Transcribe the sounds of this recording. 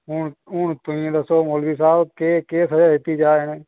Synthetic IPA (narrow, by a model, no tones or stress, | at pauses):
ɦʊɳɦʊːɳt̪ʊĩd̪əsoːmoːlbiːsaːbkeːkeːsəd͡ʒaːɦet̪iːd͡ʒaːɪneː